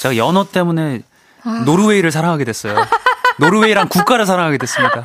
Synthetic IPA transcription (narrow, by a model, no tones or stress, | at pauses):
t͡ɕajʌnʌt͈e̞mune̞ | noɾuwe̞iɾɯɭs̬ʰaɾaŋɦaɡedwe̞s͈ʌjonoɾɯwe̞iɾankuk͈aɾɯɭsʰaɾaŋɦaɡedwes͈ɯmɲik͈a